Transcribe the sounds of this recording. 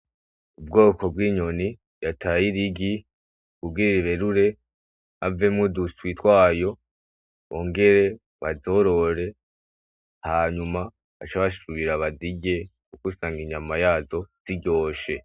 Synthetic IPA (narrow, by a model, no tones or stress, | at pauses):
ub̚ɡo̞ːko̞b̚ɡiːɲo̞ni | jatʰajiɾiɡi | kubɡiɾiɾiβe̞ɾuɾe̞ | ave̞mŋuduswitwaːjo̞ | oːŋɡe̞ɾe̞ | βazo̞ɾo̞ɾe̞ | haɲuma | βat͡ʃaβaʃuɾuβiɾaβaziɟe̞kukusaːŋɡiɲamajaːzo̞z̥iɟo̞ːʃe̞